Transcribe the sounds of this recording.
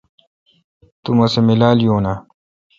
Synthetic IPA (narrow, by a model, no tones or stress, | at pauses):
t̪umɐsemilaːlijoːna